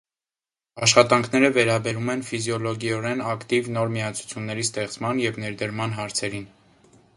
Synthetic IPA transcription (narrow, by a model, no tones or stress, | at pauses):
ɑʃχɑt̪ɑŋkʰnɛɾəvɛɾɑbɛɾumɛnfizjɔlɔɡɔɾɛnɑkt̪ivnɔɾmiɑt͡sʰu̥t͡sʰjunːɛɾist̪ɛχt͡smɑnjɛvnɛɾd̪əɾmɑnɦɑɾt͡sʰɛɾin